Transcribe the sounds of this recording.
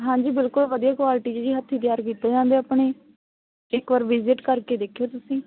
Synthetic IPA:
ɦãːɲd͡ʒiːbɪlkʊlʋəd̪ijaːkʋaːlɪʈiːd͡ʒed͡ʒiːɦət̪ʰːiːt̪̬ɪjaːɾkiːt̪eːd͡ʒãːnd̪eːaːpɳ̃eː | ɪkʋaːɾʋɪzɪʈkəɾkeːd̪eːkʰeːt̪ʊsĩː

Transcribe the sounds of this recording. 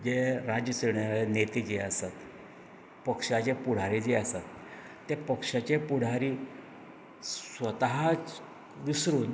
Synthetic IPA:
d͡ʑeɾad͡ʑjəseɳjaɭenet̪id͡ʑeasat̪ | pəkʂat͡ɕepuɽ̤aɾid͡ʑeəsat̪ː | epəkʂat͡ɕepuɽ̤ʱaɾiː | sʋət̪aɦat͡s | ʋisɾuːn

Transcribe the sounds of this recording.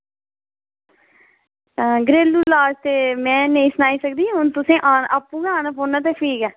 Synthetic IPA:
ɡɾeːlːuːlaːd͡ʒt̪eːmɛ̃ːneĩːsənaːiːsəkd̪ĩːɦʊnt̪ʊsẽːʔaːnaːpːũːkãːnãpoːnaːt̪̬eːpʰiːɡɛː

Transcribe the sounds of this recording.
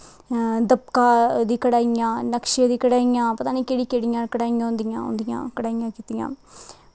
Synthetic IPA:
d̪əpkaːd̪iːkəɽaːjãːnəkʃed̪iːkəɽaːijãːpːt̪aːnĩːkeːɽiːkeːɽijãːkəɽaːijãːɦʊ̃nd̪ɪjã̰ːʊ̰nd̪ɪjã̰ːkəɽaːɪjãːkiːt̪ijã̰ː

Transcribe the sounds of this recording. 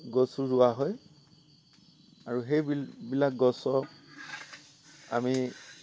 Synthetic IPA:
ɡɔsuɹʊwaɦɔj | aɹuxejbibilak̚ɡɔsɔ | a̰mi

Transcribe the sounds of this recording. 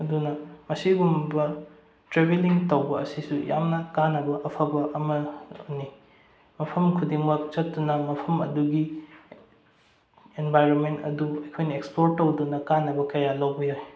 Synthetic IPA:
ɐdunɐmɐsiɡumbɐ | tɾebeliŋtɐwbɐɐsisuja̰mnɐkanːɐbɐʔɐpʰɐbɐʔɐmɐni | mɐpʰɐmkʰudiŋbɐt͡ʃɐtːunɐmɐpʰɐmɐduɡi | enbajɾonmentɐ̰duɐjkʰojnɐekspoɾ̚ɐwdunɐkanːɐbɐkɐjalɐwbioj

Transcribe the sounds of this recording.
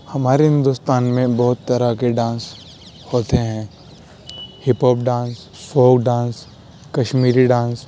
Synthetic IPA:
hɐmaːɾeɦɪ̃nd̪ʊst̪aːnmẽbɔɦʊt̪ːɐɾakeɖãːns | hoːt̪eɦɛ̃ː | hɪpoːpɖãːns | foːɡɖãːs | kɐʃmiːɾiɖãːns

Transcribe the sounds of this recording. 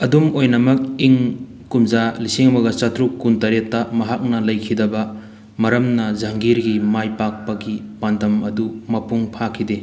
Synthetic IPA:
ɐdumojnɐmɐk̚iŋ | kumzalisiŋmɐɡɐt͡ʃɐtɾukːuntɐɾetːɐmɐɦak̚nɐlɐjkʰidɐbɐ | mɐɾɐmnɐzɐŋɡiɾɡimajpak̚pɐɡipandɐmɐdumɐpuŋpʰakʰide

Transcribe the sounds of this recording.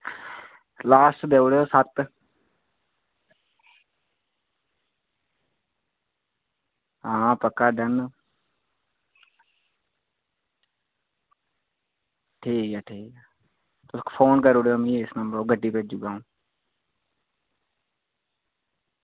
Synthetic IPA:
laːsʈd̪eːʊɽeoːsət̪ | ãːpəkːaːɖən | ʈʰiːkaːʈʰiːkː | t̪ʊskːpʰoːnkəɾʊɽeomĩːɪsnəmbəɾoːɡəɖiːpeːd͡ʒuɡaːũː

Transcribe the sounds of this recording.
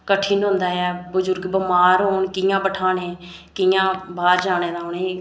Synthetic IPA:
kəʈʰːinɦõːnd̪aːɛːbʊzʊɾɡbəmaːɾɦoːɳkɪjãːbəʈʰaːnẽː | kɪjãːbaːɾd͡ʒaːñeːɾaːʊneː

